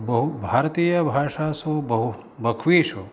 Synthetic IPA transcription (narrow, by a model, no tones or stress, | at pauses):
bɐɦubʱaːɾt̪iːjəbʱaːʂaːsobɐɦu | bɐkʰʋiːʃo